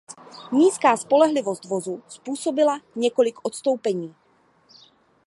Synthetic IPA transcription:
ɲiːskaːspo̞lɛɦlɪvost̪vozuspuːsobɪlaɲɛko̞lɪkʔot̪st̪o̞wpɛɲiː

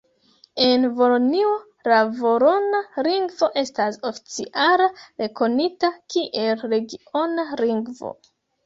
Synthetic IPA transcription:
e̞nvo̞lonio | lavo̞ɾo̞naliŋɡvo̞ʔe̞staso̞fi̥t͡siʔalaɾe̞ko̞nitakiʔe̞lɾe̞ɡio̞naɾiŋɡvo̰

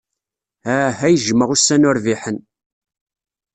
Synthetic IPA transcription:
hæɦæjʒməʁusːænʊɾviħən

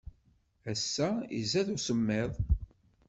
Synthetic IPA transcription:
æsːæḭzæðusəmːɪðˤ

